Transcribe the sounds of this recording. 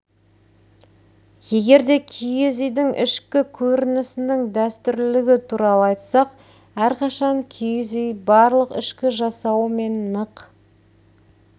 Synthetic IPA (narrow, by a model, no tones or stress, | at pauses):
je̞ɡʲe̞ɾd̪e̞kʲʰijɪzʏjd̪ɪŋʔɪ̰ʃkʲɪkʲʰɵɾɪnɪsɪnɪŋd̪æst̪ʏɾllɪɡʲɪt̪ʰuɾɑlˠəɑjt̪sɑq | æɾqʰɑʃɑŋkʲʰijzʏjbɑɾlˠəqɪ̰ʃkʲɪʒɑsɑwəme̞nːəq